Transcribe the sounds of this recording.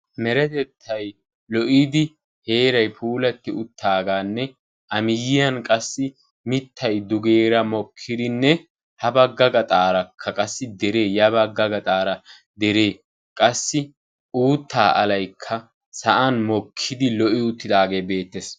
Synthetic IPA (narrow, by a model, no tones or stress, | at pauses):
mɛɾɛt̪ɛt̪ʰːɐj | lɔʔid̪ɪ | he̞ːɾɐjpʰuːlɐt̪ːɪʊt̪ʰːaːɡaːnːɛ | ʔɐmɪjɪjɐnkʼɐsːɪ | mɪt̪ʰːɐjd̪ʊɡe̞ːɾɐmɔkʰːɪd̪ɪnːɛ | hɐbɐɡːɐɡɐt̪ʼaːɾɐkʰːɐkʼɐsːɪd̪ɛɾe̞ːjɐbɐɡɐɡɐt̪ʼaːɾɐ | d̪ɛɾe̞ː | kʼɐsːɪ | ʔuːt̪ːaːʔɐlɐjkʰːɐ | sɐʔɐnmɔkʰːɪd̪ɪlɔʔɪʊt̪ːɪd̪aːɡe̞ːbe̞ːt̪ːes